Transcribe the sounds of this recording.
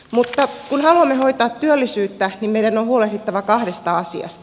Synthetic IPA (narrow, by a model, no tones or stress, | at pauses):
mut̪ːɑkunhɑluɑmːehoit̪ɑːt̪tyølːisyːt̪ːænimmeiɾænohuolehdit̪ːɑʋɑkɑhdest̪ɑɑsḭɑ̰st̪ɑ